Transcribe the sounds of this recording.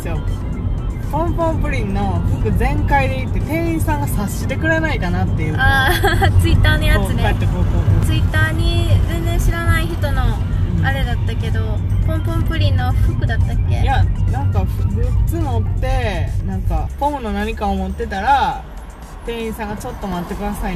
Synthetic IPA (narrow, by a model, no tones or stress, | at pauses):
jo | põ̞mpõ̞mpɯ̟ɾʲĩnːo̞ɸɯ̟kɯ̟d͡zẽ̞ŋkaid̪e̞it̪ːe̞t̪ẽ̞ɰ̃ĩɰsãŋɡasaɕid̪e̞kɯ̟ɾanaikanat̪ːe̞jɯat͡sɨit̪ːaːnojat͡sɨnat̪ːekõmpõt͡sɨit̪ːaːɲ̟id͡zẽ̞nd͡zẽɕiɾanaiçi̥t̪o̞no̞ | ɯ̃aɾe̞d̪at̪ːake̞d̪o̞ | põ̞mpõmpɯ̟ɾʲĩnːoɸɯ̟kɯ̟d̪at̪ːakːe̞̰janãŋkaɸɯbet͡sɨno̞t̪ːe̞nãŋkapõ̞mɯ̟no̞naɲ̟ikaomo̞t̪ːe̞t̪aɾa | t̪ẽ̞ɰ̃ĩːɰsãŋɡat͡ɕo̞t̪ːo̞mat̪ːe̞kɯ̟d̪asai